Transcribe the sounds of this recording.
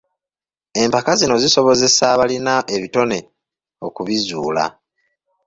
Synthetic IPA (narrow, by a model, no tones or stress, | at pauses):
e̞mpakazino̞ziso̞βo̞ze̞saβalinaʔe̞βito̞ne̞ | o̞kuβizuːla̰